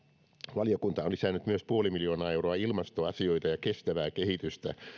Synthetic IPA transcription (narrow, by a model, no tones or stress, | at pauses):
ʋɑlijokunt̪ɑonlisæːnyt̪myøspuolimiljo̞ːnɑːewroɑilmɑst̪oɑsio̞jt̪ɑjɑkest̪æʋæːkehit̪yst̪æ̰